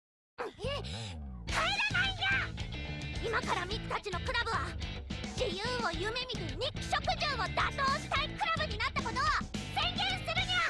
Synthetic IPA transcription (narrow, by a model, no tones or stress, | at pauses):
e | kʰaeɾenaina | imakaɾamʲikɯ̥t̪at͡ɕino̞kɯ̟ɾabɯ̟βaʑijɯːo̞jɯ̟me̞mʲit̪eɲʲikɯ̟̥ɕo̞kɯ̟ʑɨːo̞d̪at̪o̞ːɕi̥t̪aikɯ̟ɾabɯ̟ɲ̟inat̪ːamo̞no̞ːsẽ̞ŋɡẽ̞ɰ̃sɨɾɯ̟ɲa